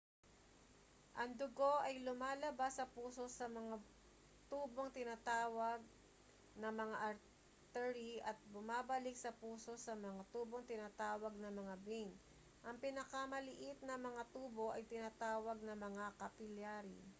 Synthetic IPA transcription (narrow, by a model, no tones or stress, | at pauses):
ʔɐŋd̪ʊɡo̞ʔɐjlʊmaːlɐbasːɐpuːso̞sɐmɐŋa | t̪uːbo̞ŋt̪ɪnaːt̪aːwɐɡ̚ | nɐŋmɐŋaʔɐɾ | t̪ɛɾiʔɐt̪̚bʊmaːbɐlɪk̚sɐpuːso̞sɐmɐŋat̪uːbo̞ŋt̪ɪnaːt̪aːwɐɡ̚nɐmɐŋabin | ʔɐŋpɪnɐkɐmɐlɪʔɪt̪̚nɐŋmɐŋat̪uːbo̞ʔɐjt̪ɪnaːt̪aːwɐɡ̚nɐmɐŋakɐpɪljaːɾi